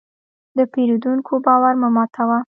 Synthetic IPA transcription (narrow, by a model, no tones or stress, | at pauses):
d̪əpeɾud̪uŋkʰobɑwaɾmamɑt̪ʰawa